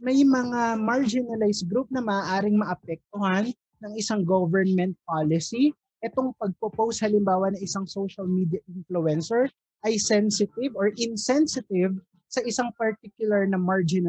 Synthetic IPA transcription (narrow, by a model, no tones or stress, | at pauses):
mɐjmɐŋamaɹd͡ʒɪnɐlajsɡɾup̚nɐmɐʔaːʔaːɾɪŋmɐʔɐpɛk̚t̪ohanː | ɐŋɪsaŋɡovɛɹnmɛnt̪̚paːlɪsi | ʔɛt̪oŋpɐɡ̚popowst̪̚hɐlɪmbaːwɐnɐŋʔɪsaŋsowʃɐlmid̪jɐʔɪnfluɛnsɛɹ | ʔɐjsɛnsɪt̪ɪvoɹʔɪnsɛnsɪt̪ɪv | sɐʔɪsaŋpɐɹt̪ikjʊlɐɹnɐmaɹd͡ʒɪnɐ